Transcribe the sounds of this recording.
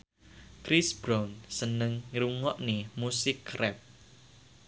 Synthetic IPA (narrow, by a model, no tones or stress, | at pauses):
kɾisb̥ɾansənəŋɾuŋɔʔnemusɪkːrɛp̚